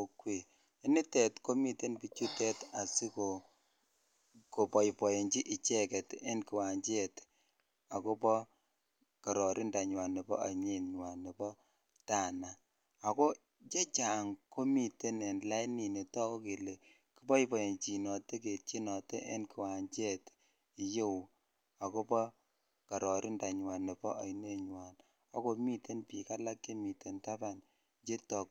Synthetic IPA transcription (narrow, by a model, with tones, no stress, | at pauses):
o˦kwi˨ | e˦ni˦tɛ˨tko˦mi˨te˦npi˨t͡ʃu˦tɛ˦ta˨si˦ko˨ | ko˨pɔ˨i˨pɔ˨je˨ɲt͡ʃi˦ʔi˨t͡ʃɛ˦kɛ˨tḛ˦nki˨wa˨ɲt͡ʃe˨t | a˨ko˦pɔ˦ | ka˨ɾɔ˨ɾʔi˦nda˨ɲwa˨nɛ˨bɔ̰˦a̰˨ɲe˦nɲwa˨ni˨bɔ˦ | ta˦˨na | a˨ko˦ | t͡ʃe˦t͡ʃa˨ŋko˦mi˦˨te˦nɛ˨nla˦jni˨ne˨tɔ˦ko˦ke˨le˨ | ki˦bɔ˦i˦bɔ˨e˨nt͡ʃi˨nɔ˨te˦ke˨t͡ʃi˦nɔ˨te˦ʔɛ̰˦nki˨wa˨ɲt͡ʃɛ˦t | i˨je˦wu˨ | a˨kɔ˦pɔ˦ | ka˨ɾɔ˨ɾi˦nda˨ɲwa˨nːe˨bɔ˦a˨jne˦ɲwa˨n | a˦ko˦mi˦te˦npi˨ka˦la˦kːe˦mi˨te˨nta˦ba˨n | t͡ʃe˦tɔ˨k